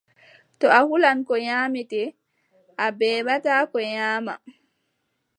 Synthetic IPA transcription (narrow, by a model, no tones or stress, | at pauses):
tɔahulankɔɲaːmitɛ | ʔabɛːɓataːkɔɲaːma̰